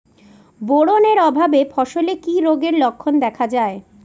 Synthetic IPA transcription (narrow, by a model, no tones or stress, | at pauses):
boɽoneɾɔbʱabefʰɔʃolekiɾoɡeɾlokʰːond̪ɛkʰad͡ʑae